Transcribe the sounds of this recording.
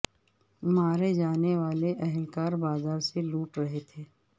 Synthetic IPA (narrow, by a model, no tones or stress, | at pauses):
maːɾed͡ʒaːneʋaːleʔɛɦɛlkaːɾbaːzaːɾseluːʈɾɐɦet̪ʰeː